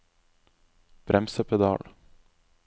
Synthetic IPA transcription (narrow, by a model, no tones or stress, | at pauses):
b̥ɾʔɛmsəpʰɛd̪ɑ̰ːɭ